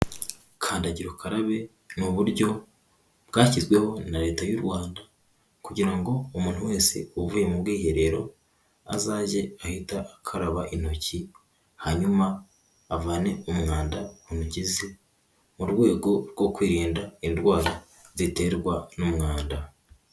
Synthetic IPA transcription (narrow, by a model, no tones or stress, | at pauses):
kʰaːndaɟiɾokʰaɾaβe̞ | nuβuɾɟo̞ | bɡaːcizɡwe̞ho̞naɾe̞ːtajuɾwaːnda | kuɟiɾaŋɡo̞umuːn̥uwe̞ːse̞̰uvujemubɡiːhe̞ɾe̞ɾo̞ | a̰zaːʒe̞ahitaːkʰaɾaβaʔin̥o̞ci | haɲumaː | vaːne̞umŋaːndaunuɟize | muɾɡwe̞ːɡo̞ɾɡo̞kwiːɾiːndaiɾwaːɾa | zite̞ɾɡwanumŋaːnda